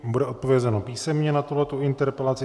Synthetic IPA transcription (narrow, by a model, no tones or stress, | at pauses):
budɛʔot̪povjɛzɛnopiːsɛmɲɛnat̪uɦlɛt̪uɪnt̪ɛɾpɛlat͡sɪ